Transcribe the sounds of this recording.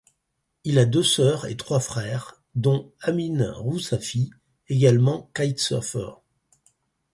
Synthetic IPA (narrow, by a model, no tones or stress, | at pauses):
ilad̪øsœʁḛt̪χwafχɛːʁ | d̪ɔ̃aminʁusafi | eɡalmɑ̃kajt̪sɔ̰ʁfœ̰ʁ